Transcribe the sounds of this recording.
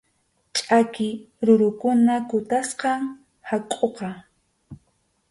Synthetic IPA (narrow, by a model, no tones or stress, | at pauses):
t͡ʃʼakɪ | ɾʊɾʊkʊnakʊt̪asqɑŋ | hakʼoqɑ